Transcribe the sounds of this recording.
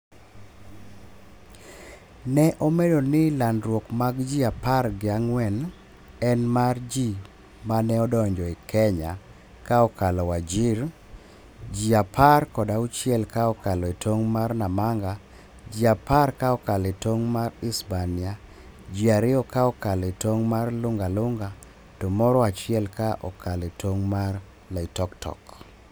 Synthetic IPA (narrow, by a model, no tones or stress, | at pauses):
nɛʔɔmedonɪlandɾwokmaɡd͡ʒiaparɡɪaŋwɛn | ɛnmard͡ʒi | manɛɔdɔɲd͡ʒɔɪkʰɛɲa | kaɔkalɔwad͡ʒiɾ | d͡ʒiapʰarkɔdaut͡ʃjɛlkaɔkalɔetʰoŋmarnamaŋɡa | d͡ʒiapaɾkaɔkaletoŋmaɾispanɪa | d͡ʒiaɾɪɔkaɔkalɔetoŋmarlʊŋɡalʊŋɡa | tɔmɔɾɔat͡ʃɪɛlkaʔɔkaletoŋmar | laitɔktɔ̰k